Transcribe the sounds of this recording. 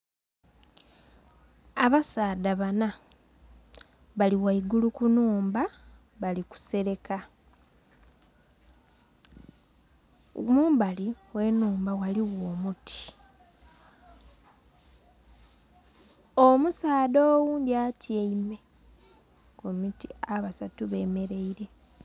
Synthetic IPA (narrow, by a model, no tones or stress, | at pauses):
aβasaːdaβana | βaliwaiɡulukunuːmba | βaliku̥se̞ɾe̞ka | muːmbaliwe̞nuːmbawaliwoːmutʰi̥ | omusaːdoːwuːndjatjeimwe̞ | komitiaβasatuβe̞ːme̞ɾe̞iɾe̞